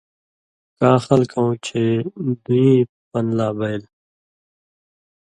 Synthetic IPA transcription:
kaːxɐlkɐ̃ũːt͡ɕʰeːd̪uĩː | pɐnlaːbɐil

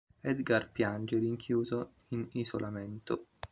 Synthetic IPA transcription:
ɛd̪ɡarpjand͡ʒeɾiŋkʰjuːzoinizolʔamɛnt̪ʊ

